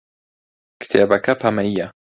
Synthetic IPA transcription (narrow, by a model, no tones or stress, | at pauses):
kt̪ʰeːbɐkʰɐpʰɐmɐjːɐ